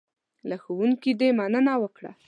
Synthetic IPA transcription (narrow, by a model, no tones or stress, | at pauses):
laxowuŋkid̪emanənawəkɽa̰